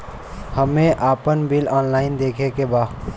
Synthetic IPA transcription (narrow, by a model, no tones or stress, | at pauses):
həmẽʔaːpənbɪlɔːnlaːɪnd̪eːkʰekebaː